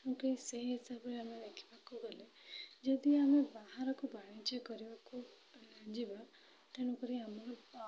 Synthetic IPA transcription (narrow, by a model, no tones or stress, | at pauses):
kũkiseɦiɦisabɾeamed̪ekʰi̥bakuɡɔle | d͡ʒɔd̪iamebaɦaɾɔkubaɽ̃it͡ʃɔkɔɾibaku | lãd͡ʒiba | t̪eɽ̃ukɔɾiamɔɾɔ